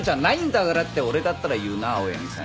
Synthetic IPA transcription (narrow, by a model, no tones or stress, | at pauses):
d͡ʑaːnaĩnd̪aɡaɾat̪ːe̞o̞ɾe̞d̪at̪ːaɾajɯ̟ːnaːoḛmʲisa̰